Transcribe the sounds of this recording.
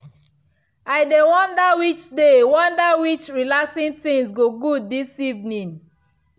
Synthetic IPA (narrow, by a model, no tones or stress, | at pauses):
aɪdewɔ̃ndawit͡ʃdewɔ̃ndawit͡ʃɹilaksĩntĩŋsɡoɡuddisivnĩŋ